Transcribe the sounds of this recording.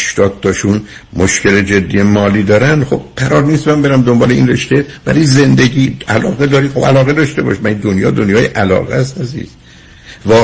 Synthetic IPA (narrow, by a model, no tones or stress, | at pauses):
ʃt̪ɒːd̪̚t̪ʰɒʃun | moʃce̞le̞d͡ʒe̞d̪ːiːjemɒːliːd̪ɒːɾænd̪χob̥̚ɢæɾɒːɾniːst̪mæmbe̞ɾæmd̪ombɒːleḭnreʃt̪ebæ̰ɾijze̞nd̪eɟiːælɒːɣed̪ɒːɾiːxobælɒːɣe̞d̪ɒʃt̪e̞bɒ̰ʃmæid̪onjɒ̰ːd̪onjɒːjeʔælɒ̰ːɣæst̪æzḭːz̥ | vɒː